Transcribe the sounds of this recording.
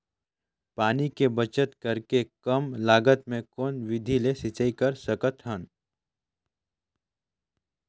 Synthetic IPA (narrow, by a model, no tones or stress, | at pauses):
paːnikebət͡ʃət̪kɐɾkekɐmlaːɡət̪mẽkoːnʋɪd̪ʱilesɪt͡ʃəikɐɾsəkət̪ɦən